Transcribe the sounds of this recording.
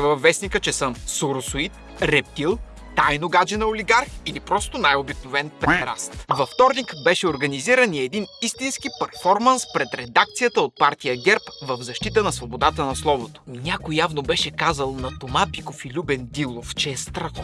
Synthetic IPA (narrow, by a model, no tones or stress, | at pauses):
vɐvːɛsnikət͡ʃɛsəmsoɾosoit̪ | ɾɛp̚t̪ilˠ | t̪ːajnoɡad͡ʒɛnɐoliɡaɾxilipɾɔst̪onajobiknovɛnpɛɾa̰st̪vɐft̪ɔɾnikbɛʃɛoɾɡɐniziɾəniɛd̪inist̪inskipɛɾfɔɾmənspɾɛt̪ɾɛd̪ak̚t̪sijət̪əot̪̚paɾt̪ʲijəɡʲɛɾpvɐvzɐʃt̪it̪ənɐsvobod̪at̪ənɐslˠɔvot̪o̥nʲakojjavnobɛʃɛkazəlˠnɐt̪omap̪ikofilʲubɛnd̪ilˠoft͡ʃɛːst̪ɾɐxo